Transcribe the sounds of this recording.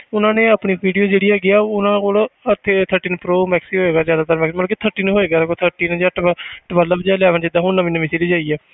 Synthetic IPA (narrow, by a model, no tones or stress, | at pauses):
ʊnãːnẽːapɳiːpiːɖijoːd͡ʒeːɽiːaːɡɪaːʊnãːkoːlət̪ʰːet̪ʰəɾʈiːnpɾoːmɛːksiːɦoːeːɡaːzjaːd̪aːt̪əɾmɛːksiməlãket̪ʰəɾʈiːnɦoːeːɡaːd̪ekot̪ʰəɾʈiːnd͡ʒaːʈʈəʋəlːaːbəd͡ʒaːljaːʋənd͡ʒɪd̪aːɦʊɳnəʋĩːnəʋiːseːliːd͡ʒaːiːɛː